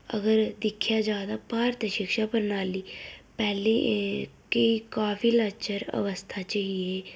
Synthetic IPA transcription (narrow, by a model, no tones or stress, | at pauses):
ə̰ɡəɾd̪ɪkʰjaːd͡ʒaːd̪aːpaːɾt̪əʃɪkʃaːpəɾnaːliːpɛːlekeikaːfʰiːlət͡ʃəɾə̰ʋəst̪ʰaːt͡ʃaɦieː